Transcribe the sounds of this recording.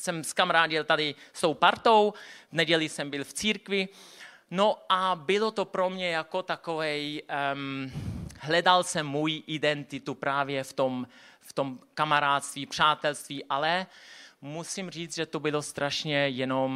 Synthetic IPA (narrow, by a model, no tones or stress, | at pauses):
sɛmskamaɾaːdɪlt̪adɪst̪owpaɾt̪owvnɛɟɛlɪsɛmbɪlft͡siːɾkvɪ | noʔabɪlo̞t̪opɾo̞mɲɛjako̞t̪akovɛj | ɦlɛdalsɛmːujiʔɪdɛnt̪ɪt̪upɾaːvjɛft̪omft̪o̞mkamaɾaːt̪st̪viːpr̝̥aːt̪ɛlst̪viːʔalɛ | musimr̝iːt͡sʒɛt̪obɪlo̞st̪ɾʔaʃɲɛjɛnom